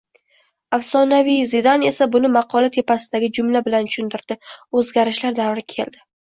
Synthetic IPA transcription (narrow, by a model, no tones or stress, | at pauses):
afsɒnavijzɪd̪ane̞sabʊnɪmɑqʰɒlat̪ʰe̞pasɪd̪aɡʲɪd͡ʒʊmlabɪlant̪ʰʊ̥ʃʊnd̪ɪɾd̪̥ɪɵzɡʲaɾɪʃlaɾd̪avɾɪkʲʰe̞̰ld̪ɪ